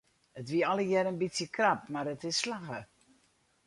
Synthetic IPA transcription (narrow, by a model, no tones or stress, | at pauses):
ətʋiəɔləjɛɾənbitsjəkrap̚maɾətɪsːlaɣə